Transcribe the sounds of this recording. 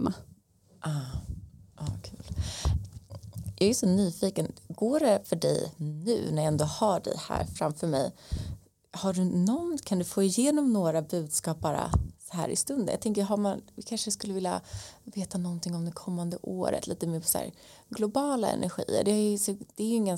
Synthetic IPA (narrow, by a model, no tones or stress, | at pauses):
ma | ʔɑː | ʔɑːkʰʉ̟ːl | jɑɛsɔnyːfiːkənɡoːɖɛfœɖɛ̰jnʉ̟̰ːnæɾjaɛnd̪oːhaɖɛ̰jhæ̰ːɾfɾamfœɾmɛ̰j | haɖɵnɔnkʰand̪ɵfoːɪjeːnɔmnoːɾabʉ̟ːd̪skɑːp̚b̥ɑːɾa̰sɔ̥ɦæ̰ːɾʔɪ̰st̪ɵnd̪ənja̰t̪ɛŋk̬əɦamanɪkʰanʂəskɵlːəvɪlja̰veːt̪anɔnt̪ɪŋɔmd̪ɛkʰɔmːand̪əʔo̰ːɾə̰t̪lḭːt̪əmeːɾpʰɔ̥sæ̰ːɾ | ɡlʊbɑːla̰ɛ̰nʔæ̰ɾɧḭːə̰ɖɛhajsɔd̪̥ɛɾjɪŋːən